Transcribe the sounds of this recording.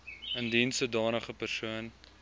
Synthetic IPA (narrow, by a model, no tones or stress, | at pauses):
əndinsədɑːnəχəpərsuən